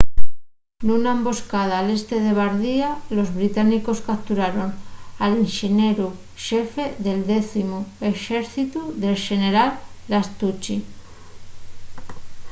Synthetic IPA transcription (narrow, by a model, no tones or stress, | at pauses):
nunaembo̞skað̞aːle̞st̪e̞ðe̞β̞aɾðialo̞zβɾit̪aniko̞skapt̪uɾaɾo̞nalinʃeneɾu | ʃe̞fe̞ðe̞ld̪eθimoe̞ʃeɾθit̪uðe̞lʃe̞ne̞ɾalːast̪ut͡ʃi